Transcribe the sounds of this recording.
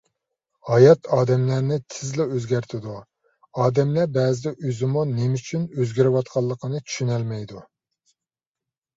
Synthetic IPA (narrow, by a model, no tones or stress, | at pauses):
hɑjɑt̪ʰɑːd̪ɛmlæɾnɪt̪ʰɪzlɪøzɡʲæɾt̪ʰɪd̪u | ɑːd̪ɛmlæbɛːzɪʔøzɪmunemyt͡ʃʰynøzɡʲiɾɪwɑt̪̚qʰɑlˠːəqʰənɨt͡ʃ̪ʰy̥ʃynɛlmɛjd̪u